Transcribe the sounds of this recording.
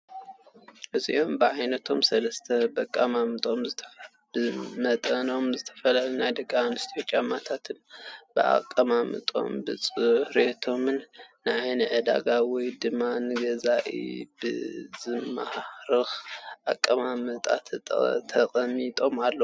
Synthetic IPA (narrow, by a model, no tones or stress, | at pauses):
ʔɨziʔo̞mbɨʕajnɐt̪ʰo̞msɐlɐst̪ʰɐbɐkʼːamamɨt̪ʼo̞mzɨ | bɨmɐt̪ʼɐno̞mzɨt̪ʰɐ̥fɐlalnajd̪ɐkʼanɨst̪ʰot͡ʃʼamːat̪ʰat̪ʰɨnb̥ɨʔa̰kʼːɐmamɨ̰t̪ʼo̞̰mbɨt͡sʼɨhɾet̪ʰo̞mɨnː | ɨʕajnɨʕɨd̪a̰ɡawɔjd̪ɨmːanɡɐzaʔḭbɨ̰zɨma̰hhɾɨxʔakʼːɐmamɨt̪ʼa̰t̪t̪ʰɐqʼɐmit̪ʼo̞malːo